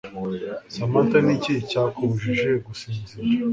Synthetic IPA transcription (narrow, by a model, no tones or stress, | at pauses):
samantaniciicaːkʰoβuʒiʒeɡusiɲziɾa